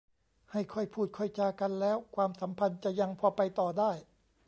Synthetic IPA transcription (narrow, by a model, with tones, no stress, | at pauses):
ha˥˩jkʰɔ˧˥˩jpʰuː˥˩t̪̚kʰɔ˧˥˩j̪̚t͡ɕaː˧ka˧nlɛː˦˥wkʰwaː˧msa˩˦mpʰa˧nt͡ɕa˨˩ja˧ŋpʰɔː˧pa˧jt̪ɔː˨˩daː˥˩j